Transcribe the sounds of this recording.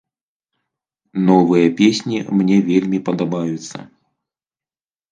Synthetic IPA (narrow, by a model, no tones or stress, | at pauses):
nɔvɨjɐpʲesʲnʲimnʲɛvʲelʲmʲipɐd̪abajut̪sːɐ̰